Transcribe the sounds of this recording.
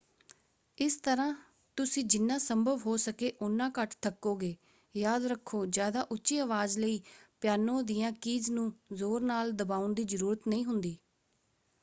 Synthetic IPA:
ɪst̪əɾãː | t̪ʊsĩːd͡ʒɪnːãːsəmbʱəʋɦoːsəkeːʔʊnːãːkəʈt̪ʰəkːoːɡeː | jaːd̪ɾəkʰːoːd͡ʒjaːd̪aːʔʊtːʃiːəʋaːzləiːpjaːnõːd̪ijãːkiːznũːzoːɾnaːld̪əbaːʊnd̪iːzəɾuːɾət̪nəĩːɦʊnd̪iː

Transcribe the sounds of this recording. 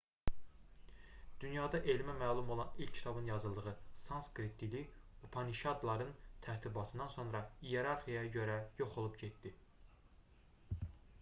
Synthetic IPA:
d̪̥ynjɑːd̪ɑʔelimæmæːlˠumo̞lˠɑnilʲcʰːi̥t̪ʰɑbɯnjɑzɯlˠd̪ɯʁɯsɑnskɾit̪̚ːiliupʰɑniʃɑd̪lˠɑɾɯnt̪ʰæɾt̪ʰibɑt̪ʰɯnd̪ɑnso̞nɾɑijeɾɑɾχijɑjɑɟø̞ɾæjo̞χo̞lˠupɟet̪ːd̪i

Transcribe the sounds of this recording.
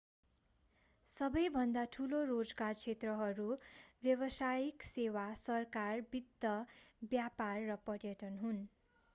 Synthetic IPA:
sʌbʌjbʱʌnd̪aʈʰulorod͡zɡart͡sʰet̪rʌɦʌɾubjʌbʌsajiksewasʌrkarbid̪ːʌbjaparːʌpʌrjʌʈʌnɦun

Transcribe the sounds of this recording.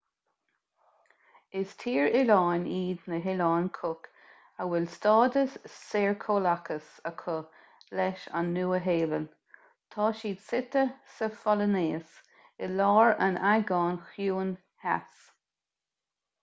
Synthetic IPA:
ɪst̪ʰiːɹɪlɑːniːd̪nəɦɪlɑːnkʰʊk | əwɪlstɑːd̪əsːeːɹkʰoːlakʰəsəkʰʊ | lɛʃa̰nːuːəɦeːlən | t̪ʰɑːʃiːd̪sɪt̪əsəfɔləneːs | ɪlɑːɹə̰najɡɑːnxjuːn | ha̰s

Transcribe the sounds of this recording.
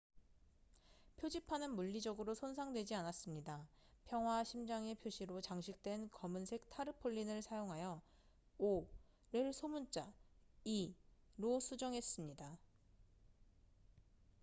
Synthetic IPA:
pʰjod͡ʑipʰanɯnmuʎːid͡ʑʌɡɯɾosʰonsʰaŋdwe̞d͡ʑianas͈ɯmɲida | pʰjʌŋɦwaɕʰimd͡ʑaŋe̞pʰjoɕʰiɾot͡ɕaŋɕʰik̚t͈we̞nkʌmɯnsʰe̞k̚tʰaɾɯpʰoɭːinɯɭsʰajoŋɦajʌ | o | ɾɯɭsʰomunt͡ɕ͈ai | ɾosʰud͡ʑʌŋɦe̞s͈ɯmɲida

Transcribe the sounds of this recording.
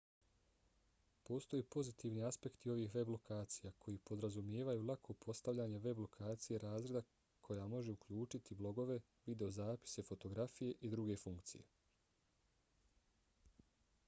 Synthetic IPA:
po̞ːst̪o̞jepo̞zit̪iːʋniaspe̞kt̪io̞ʋiːxʋe̞blo̞kʰaːt̪sijakʰo̞jipo̞d̪ɾazumje̞ːʋajuːlˠakʰo̞pʰo̞st̪aʋʎʲaːɲe̞ʋe̞blo̞kʰaːt̪sije̞ɾaːzɾe̞d̪a | kʰo̞jaːmo̞ʒe̞ukʎuːt͡ʃit̪ʰiblˠo̞ɡo̞ʋe̞ | ʋid̪e̞o̞zaːpi̥se̞fo̞t̪o̞ɡɾafije̞ʔid̪ɾuɡe̞fuŋkt̪sḭje̞̰

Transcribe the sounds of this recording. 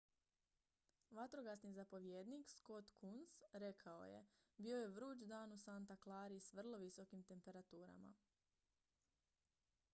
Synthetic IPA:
ʋat̪ɾo̞ɡasnizapo̞ʋjeːd̪niksko̞t̪kʰunsɾe̞kʰao̞̰je̞̰bio̞je̞ʋɾuːd͡ʒd̪aːnusant̪aklˠaːɾiːsʋr̩lˠo̞ʋiso̞kimt̪e̞mpe̞ɾat̪uːɾa̰ma̰

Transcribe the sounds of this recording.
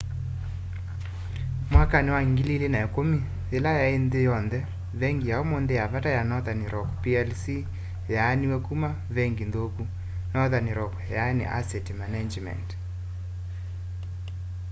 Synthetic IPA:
mwakanɪwaŋɡililenaɛkomi | elajaendɪjɔndɛ | βɛŋɡijaomondejaβatajanɔðanɾʔɔkpiɛlsi | janiwɛkuma | βɛŋɡindoku | nɔðaniɾɔk | janḭʔa̰sɛtmanad͡ʒmɛ̰nt

